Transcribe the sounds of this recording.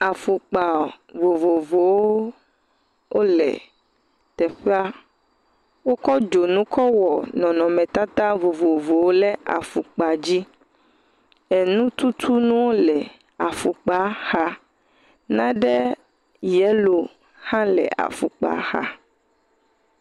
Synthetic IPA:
a˨fu˨k͡pa˨ | vo˨vo˨vo˨wo˦ | wo˦lɛ̰˨ | t̪ɛ˨ɸe˦a˦ | wo˦kɔ˦d͡ʒo˨nũ˦kɔ˦wɔ˨nɔ̃˨nɔ̃˨mɛ̃˨t̪a˦t̪ã˦vo˨vo˨vo˨wo˦lɛ˦a̰˨fu˨k͡pa˨d͡ʑi˦ | ɛ˨nũ˦t̪u˦t̪ʰu˦nũ˦wo˦lɛ˨ | a˨fu˨k͡pa˦ha˦ | nã˦ɖɛ˦ | jɛ˦lo˨ | hã˦lɛ̰˨ʔa̰˨fu˨k͡pa̰˨xa̰˦

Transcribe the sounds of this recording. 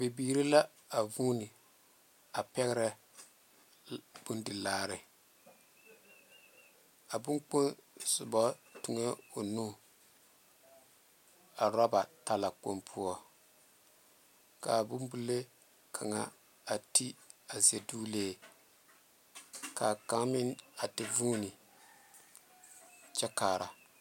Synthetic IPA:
be˨biː˦˨ɾi˦la˦ | a˨vuː˦nɪ˨ | a˨pɛ˦ɣɪ˦ɾɛ˦ | b̥ʊ˦ndɪ˨laː˦ɾɪ˨ | a˨bʊ˦ŋk͡po˦nsʊ˨bɔ˦tʊ˨ŋe˦o˨nu˦ | a˨ɾɔ˦ba˨ta˨la˨k͡po˦mpʰu˦ɔ˦ | ka˨bʊ˦mbu˦le˦ | kʰa˨ŋa˦ | a˨ti˦a˨ze˨du˦leː˦˨ | ka˨ka˦mɪ˦na˨tɪ˦vuː˦nɪ˨ | t͡ʃɛ˦kaː˨ɾa˨

